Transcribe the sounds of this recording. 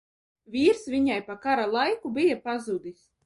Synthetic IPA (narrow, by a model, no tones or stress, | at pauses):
viːɾsvʲiɲajpakaɾalˠajkubijapazud̪is